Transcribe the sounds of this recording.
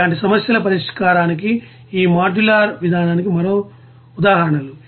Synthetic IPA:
aːɳʈ̬isɐmɐsjɐlɐpɐɾiʂkaːɾaːniki | iːmaːd͡ʒulaːɾʋid̪ʱaːnaːnikimɐɾo̞ː | ud̪aːɦɐɾɐɳɐlu

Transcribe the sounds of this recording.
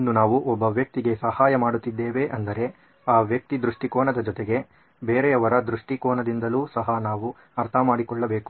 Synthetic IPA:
nːunaːʋuʔɔbːɐʋjɐk̚t̪iɡe̞sɐhaːjɐmaːɽut̪ːid̪ːeːʋe̞ʔɐnd̪ɐɾe̞ | aːʋjɐk̚t̪id̪ɾuʂʈikɔːnɐd̪ɐd͡ʒɔt̪eɡe̞ | beːɾɛɐʋɐɾɐd̪ɾuʂʈikɔːnɐd̪ind̪ɐluːsɐɦɐnaːʋu | ɐɾt̪ʰɐmaːɽikɔɭːɐbeːku

